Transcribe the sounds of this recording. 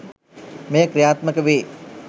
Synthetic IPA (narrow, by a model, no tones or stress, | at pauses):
mejəkɾijaːt̪məkəʋeː